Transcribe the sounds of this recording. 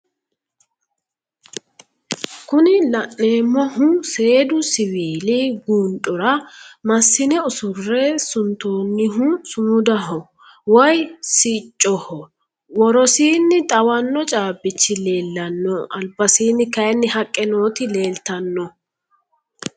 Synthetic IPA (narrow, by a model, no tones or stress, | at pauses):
kʊnɪlɐnːe̞ːmːɔhʊse̞ːd̪ʊsɪwiːlɪɡuːnᶑʼɔɾɐmɐsːɪnɛʊsʊrːɛsʊnt̪oːnːɪɦʊsʊmʊd̪ɐɦɔ | wɔjsɪt͡ʃʼːɔhɔ | wɔɾɔsiːnːɪt̪ʼɐwɐnːɔt͡ʃʼaːbɪt͡ʃːɪle̞ːlːɐnːɔɐlbɐsiːnːɪkɐjɛnːɪhɐkʼːɛno̞ːt̪ɪle̞ːlt̪ɐnːɔ